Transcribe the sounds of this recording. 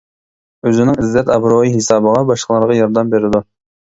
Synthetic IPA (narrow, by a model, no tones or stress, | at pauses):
øzɪnɪŋɪzːɛt̪ɑbɾoiɦesɑːbəʁɑbɑʃqəlˠɑɾʁɑjɑɾd̪ɛmbeɾɪd̪u